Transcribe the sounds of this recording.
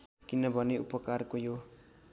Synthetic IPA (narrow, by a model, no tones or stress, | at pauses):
kinʌbʱʌneupʌkarkojo